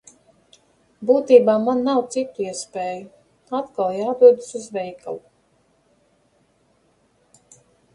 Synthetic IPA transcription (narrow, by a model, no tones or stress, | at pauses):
buːt̪iːbaːmanːawt̪sit̪uiɛspeːju | at̪kalˠjaːd̪uɔd̪suzvɛjka̰lˠu